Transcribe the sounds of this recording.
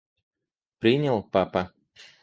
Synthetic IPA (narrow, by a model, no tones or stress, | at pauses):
pɾinʲilˠpapa